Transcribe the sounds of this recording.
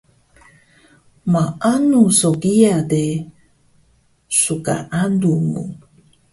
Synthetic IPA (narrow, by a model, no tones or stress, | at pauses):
maʔanusoɡiade | suka̰ʔandumṵ